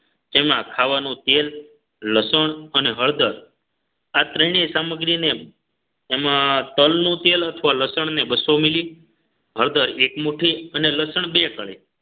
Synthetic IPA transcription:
d͡ʒemãkʰaʋanũt̪elː | əsəɳəneɦəɭd̪əɾ | at̪ɾəɳ̃isaməɡɾineː | mãt̪əlnũt̪elət̪ʰəʋaləsəɳnebəsomili | ɦəɭd̪əɾekmuʈʰiəneləsəɳ̃bekəɭḛ

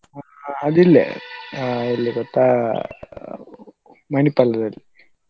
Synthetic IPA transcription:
a | ɐd̪ilːḛ | ilːiɡɔt̪ːa | mɐnipɐlɐd̪ɐlːi

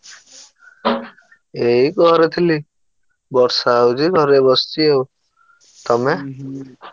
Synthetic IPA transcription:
eiɡɔɾet̪ʰili | bɔɾsawd͡ʒiɡʱɔɾebɔst̪iew | t̪ɔme

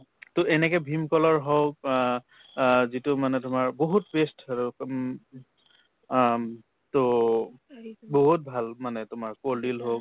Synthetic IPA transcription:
tʊɛnɛkɛbʱimkɔlɔɹɦɔk | zitʊmanɛtʊmaɹboɦut̚bestʊ | to | boɦut̚bʱalmanɛtʊmaɹkoldilɦok

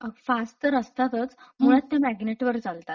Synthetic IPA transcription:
əfast̪əɾəst̪at̪ət͡smuɭat̪ːjamæɡneʈʋəɾd͡zalt̪at̪

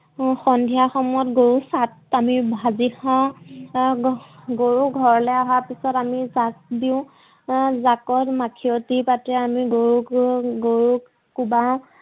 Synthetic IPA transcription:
xɔndʱijaxɔmɔjɔtɡoɹusatamibʱazixã | ɡoɹuɡʱɔɹɔlɛaɦapisɔtamizasdiʊ̃ | zakɔtmakʰiɔtipatɛamiɡoɹuɡoɹu | kubaw̃

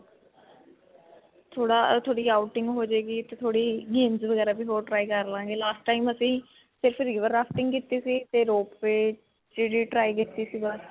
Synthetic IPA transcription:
t̪ʰoːɽaːt̪ʰoːɽiːaːʊʈɪŋɡɦoːd͡ʒeːɡiːt̪eːt̪ʰoːɽiːɡeːnzʋəɡɛːɾaːbiːɦoːɾʈɾaːiːkəɾlãːŋɡeːlaːsʈʈaːiːməsĩː | sɪɾəpʰɾiːʋəɾːaːfʰʈɪ̃ŋɡkɪt̪iːsiːt̪eːɾoːppeː | t͡ʃeːɽiːʈɾaːiːkɪt̪ːiːsiːbəs

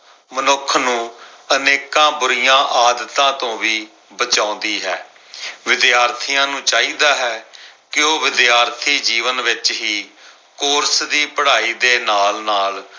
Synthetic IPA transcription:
mənʊkʰnũːəneːkãːbʊɾɪjãːʔaːd̪ət̪ãːt̪õːʋiː | bət͡ʃãːʊ̃ːnd̪iːɦɛː | ʋɪd̪jaːɾt̪ʰiːãːnũːt͡ʃaːiːd̪aːɦɛːkɪoːʋɪd̪jaːɾt̪ʰiːd͡ʒiːʋənʋɪt͡ʃɦiː | koːɾsd̪iːpəɽaːiːd̪eːnaːlnaːl

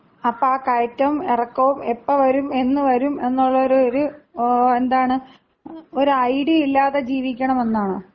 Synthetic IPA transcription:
ɐpːɐaːkɐjtːɐʋumerɐkːɐʋumepːɐʋɐɾume̞nːɨʋɐɾume̞nːuɭːɐoɾuoɾu | e̞nd̪aːɳɨ | o̞ɾuɐjɽiilːaːðed͡ʑiːʋikʲːɐɳɐme̞nːaːɳɨ

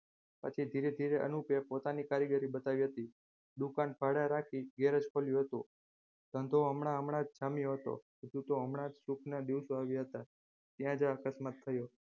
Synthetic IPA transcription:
pə̰t͡ʃʰid̪ʱiɾed̪ʱiɾeʔə̰nupjapot̪anikaɾjəɡəɾibət̪aʋiɦət̪i | ɗ̪ukanbʱaɽaɾakʰiɡeɾəd͡ʒkʰoljũɦət̪ṵ̃ | d̪̥ʱə̃nd̪ʱoəmɳaəmɳad͡ʒd͡ʒamjoɦət̪o̰ɦəd͡ʒũt̪oəmɳad͡ʒsukʰnad̪iʋsoaʋjaɦət̪a | t̪jãd͡ʒaakəsmat̪̚t̪ʰəjo

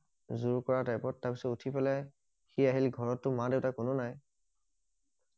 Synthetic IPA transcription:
zuɹkɔɹatajpɔtːaɹpisɔtutʰipɛlɛ | xiaɦilɡʱɔɹɔtːʊmadeʊtakʊnʊnaj

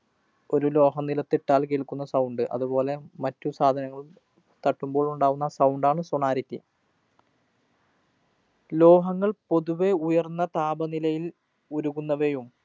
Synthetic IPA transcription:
o̞ɾulo̞ːɦɐmnilɐt̪ːiʈːaːlk̬eɭkunːɐsɐwɳɖɨʔɐ̰ðubo̞ːle̞mɐtːusaːd̪ʱɐnɐŋːɐɭum | t̪ɐʈːumbo̞ːɭuɳɖaːɣunːɐsɐwɳɖaːɳɨsuɳaːɾɐt̪ːi | lo̞ːɦɐŋːɐɭpo̞ðuʋe̞ujɐrnːɐt̪aːbɐnilɐjil | uɾuɣunːɐʋejum

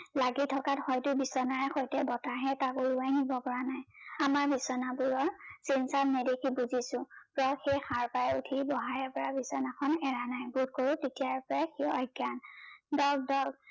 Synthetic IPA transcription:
laɡitʰɔkathɔjtʊbisɔnaɹɛxɔjtɛbɔtaɦɛtakuluajnibɔpɔɹanajamaɹbisɔnabuɹɔɹsinsatnɛdekʰibuzisʊ̃pɹɔxejxaɹpajutʰibɔɦajɛpɔɹabisɔnakʰɔnɛɹanajbud̚koɹutetijapɔɹaxiɔjɡjandɔɡ̚dɔɡ

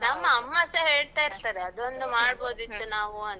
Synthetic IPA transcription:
nɐmːɐːmːɐsɐɦeːɭaːiɾt̪aːɾeɐd̪ond̪umaːɽbo̞ːd̪it̪ːunaːʋuɐn

